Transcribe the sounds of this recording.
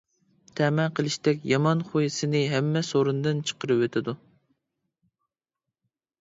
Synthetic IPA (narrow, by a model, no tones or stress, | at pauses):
t̪ʰɛmɛqʰəlˠɨʃt̪ɛkʲjɑmɑnχojisɨnɪɦɛmːɛsoɾund̪ɨnt͡ʃʰə̥qəɾɨwøt̪ʰɪd̪u